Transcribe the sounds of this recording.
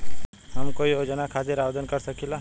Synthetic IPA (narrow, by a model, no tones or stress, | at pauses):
ɦəmkoiod͡ʒənakʰat̪eɾaʋd̪ənkəɾsəkila